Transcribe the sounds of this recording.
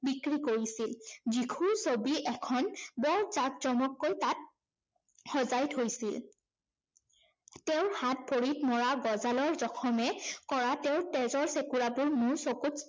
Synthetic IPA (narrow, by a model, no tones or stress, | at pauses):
bikɹikoɹisilzikʰusobiʔɛkʰɔnbɔɹzakzɔmɔkːojtat̚ | xɔzajtɦojsil | teʊ̃ɹhat̚pʰoɹitmɔɹaɡɔzalɔɹzɔkʰɔmɛkɔɹateʊtɛzɔɹsekuɹabʊɹmʊɹsokut